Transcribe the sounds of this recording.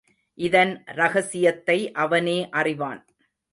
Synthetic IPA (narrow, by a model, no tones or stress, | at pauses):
ʔɪðɐnɾɐɣɐsɪjɐt̪ːɐɪʔɐʋɐneːʔɐrɪʋaːn